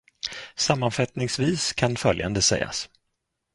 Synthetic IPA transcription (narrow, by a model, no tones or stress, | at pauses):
samːanfat̪nɪŋsviːskʰanfœlja̰nd̪əsɛ̰jːa̰s